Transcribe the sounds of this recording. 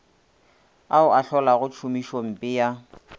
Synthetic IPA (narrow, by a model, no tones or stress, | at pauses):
aʊaɬɔlaɣʊt͡ʃʰʊmiʃoŋ̩pʼɪja